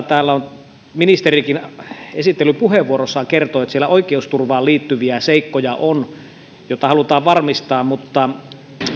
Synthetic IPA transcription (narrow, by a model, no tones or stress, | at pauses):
t̪æːlːæon | minist̪erikinesit̪ːelːypuɦheʋʋuoɾosːɑkert̪oːjot̪sielːæʔoikˑeust̪urʋɑːliːt̪ːyʋiæseikːojɑʔon | jot̪ːɑhɑlut̪ɑːʋʋɑrmist̪ɑːmmut̪ːɑ